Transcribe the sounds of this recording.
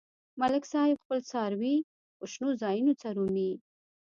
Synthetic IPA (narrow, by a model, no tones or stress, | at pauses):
malɪksɑjɪbxpəlt͡sɑɾwi | oʃnozɑjunot͡saɾuni